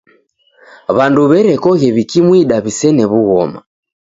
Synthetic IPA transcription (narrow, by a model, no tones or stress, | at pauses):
βanduβɛɾɛkɔɣɛβikimwiɗaβisɛnɛβuɣɔma̰